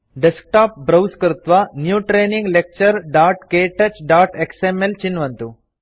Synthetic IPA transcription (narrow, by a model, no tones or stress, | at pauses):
ɖesk̚ʈaːp̚bɾɐwskɾut̪ʋanjuːʈɾeːniŋɡlek̚t͡ʃɐɾɖaːʈkeːʈɐt͡ʃɖaːʈeksemelt͡ʃinːʋɐnt̪u